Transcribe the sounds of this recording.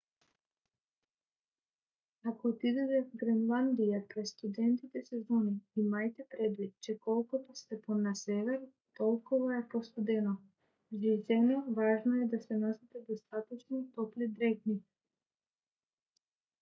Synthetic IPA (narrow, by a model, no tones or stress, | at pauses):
akoːt̪id̪ɛt̪ɛvɡɾɛnlˠand̪ijak̪ɾɛst̪ud̪ɛnt̪it̪ɛsɛzɔniimajt̪ɛpɾɛd̪vit̪̚t͡ʃɛkɔlˠkut̪ost̪ɛponasɛvɛɾ | t̪ɔlˠkovaɛpɔst̪ud̪ɛnɔ | ʒizɛnɔvaʒnoɛd̪asɛnɔsɛt̪ɛd̪ost̪at̪ɔt͡ʃnɔt̪ɔplid̪ɾɛkni